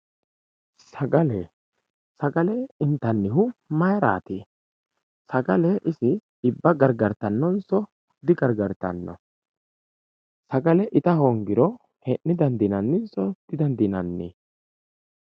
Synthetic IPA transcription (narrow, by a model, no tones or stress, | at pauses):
sɐɡɐlɛ | sɐɡɐlɛɪnt̪ɐnːɪɦʊmɐjɾa̰ːt̪iː | sɐɡɐlɛʔɪsɪː | bːɐɡɐɾɡɐɾt̪ːɐnːɔnsɔ | d̪ɪɡɐɾɡɐɾt̪ːɐ̰nːɔ̰ | sɐɡɐlɛʔɪt̪ɐhɔŋɡɪɾɔ | hɛnːɪd̪ɐnd̪inɐnːɪnsɔd̪̥ɪd̪ɐnd̪inɐnːḭ